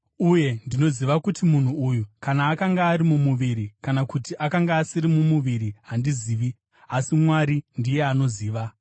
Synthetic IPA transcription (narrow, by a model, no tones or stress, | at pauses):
uje̞ndino̞ziʋakutimun̤uujukanaːkaŋɡaːɾimumuʋiɾikanakutiʔakaŋɡaːsiɾimumuʋiɾiɦandiziːʋi | asimwaɾindije̞ano̞ziːʋa